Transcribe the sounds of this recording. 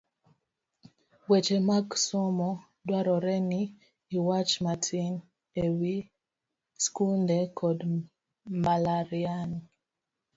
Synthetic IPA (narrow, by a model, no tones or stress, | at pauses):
wet͡ʃemaksomɔ | dwaɾɔɾɛniː | wat͡ʃmatʰin | ewi | skundekʰɔd | malaɾiani